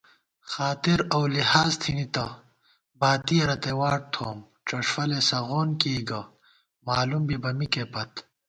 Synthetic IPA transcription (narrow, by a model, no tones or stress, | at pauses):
xaːt̪iɾɐwlihaːzt̪ʰinit̪ɐ | baːt̪iɐɾɐt̪ewaːʈ̚t̪ʰoːm | ʈ͡ʂɐʂfɐlesɐɣoːnkiːɡɐ | maːlumbibɐmikepɐt̪